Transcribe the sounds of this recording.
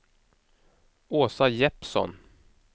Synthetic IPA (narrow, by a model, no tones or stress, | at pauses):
oːsajɛpsɔ̰n